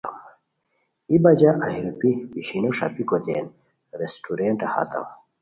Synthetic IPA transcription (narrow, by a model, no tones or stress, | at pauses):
ibɐd͡ʑɐʔɐɦiɾupibiɕinoʂa̰pikod̪ḛːn | ɾesʈuɾeɳʈaha̰t̪ɐ̰w